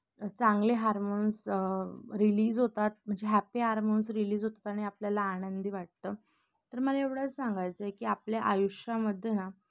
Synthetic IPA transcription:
t͡saŋɡleɦaɾmonsəɾiliːd͡zɦot̪at̪̚m̤əɳd͡zeɦæpiɦaɾmonsɾiliːd͡zɦot̪ḁt̪aɳ̃iapljalaaːɽənd̪ʱiːʋaʈ̚t̪əː | t̪əɾməlaeʋɽat͡ssaŋɡajt͡səekiːapljaʔajuʂjaməd̪ʱːjena

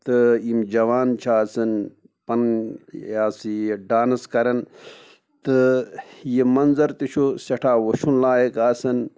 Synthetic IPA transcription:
t̪ɨimd͡ʒɐʋaːnt͡ʃʰaːsɐn | pɐnjaːsijɖaːnɐskɐɾɐn | t̪ɨjimɐnzɐɾt̪iʃʰusɐʈʰaːwɐʃunlaːjɐkaːsɐn

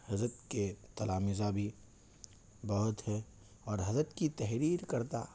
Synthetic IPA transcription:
hɐzɾət̪ket̪ɐlaːmɪzabʱi | bɐɦʊt̪hɛ | ɔːɾɦɐzɾət̪kit̪ɛɦɾiːɾkɐɾt̪a̰

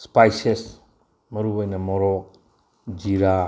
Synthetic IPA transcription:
spajses | mɐɾubojnɐmɔɾɔk̚ | d͡ʒiɾa

